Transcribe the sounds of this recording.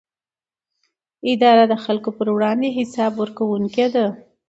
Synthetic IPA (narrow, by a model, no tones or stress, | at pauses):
ɪd̪ɑɾad̪əxalkopəɾwɽɑnd̪eɦɪsɑbwəɾkawuŋked̪a